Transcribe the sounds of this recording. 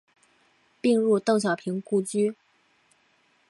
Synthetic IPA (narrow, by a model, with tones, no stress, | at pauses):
pi˥˧ŋɻu˥˧t̪o˥˩ŋɕ̬jɑ˨˩ʊpʰi˧˥ŋku˥˩t͡ɕy˥